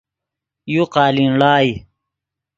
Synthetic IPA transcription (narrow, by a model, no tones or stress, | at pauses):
juqaːlinlaːi